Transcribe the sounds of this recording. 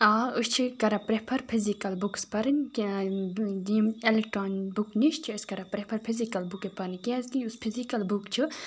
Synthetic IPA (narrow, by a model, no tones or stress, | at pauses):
aːust͡ʃʰikɐɾapɾepʰɐɾpʰizikɐlbukspɐɾɨnʲ | imelek̚ʈɾoːnbukniʃt͡ʃʰiəskɐɾapɾepʰɐɾpʰizikɐlbukepɐɾnikeɐzt̪iuspʰizikɐlbukt͡ʃʰi